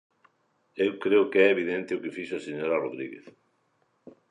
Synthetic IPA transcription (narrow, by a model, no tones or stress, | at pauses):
ewkɾeʊkɛeβiðent̪ɪʊkɪfiʃʊaseɲoɾaroðɾḭɣḛθ